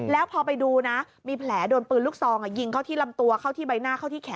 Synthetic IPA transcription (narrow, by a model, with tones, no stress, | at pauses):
lɛː˦˥wpʰɔː˧pa˧jduː˧na˦˥ | miː˧pʰlɛː˩˦doː˧npɯː˧nluː˦˥˩k̚sɔː˧ŋʔa˨˩ji˧ŋkʰa˥˩wt̪ʰiː˥˩la˧mt̪u˧ɐkʰa˥˩wt̪ʰiː˥˩ba˧jnaː˥˩kʰa˥˩wt̪ʰiː˥˩kʰɛː˨˩˦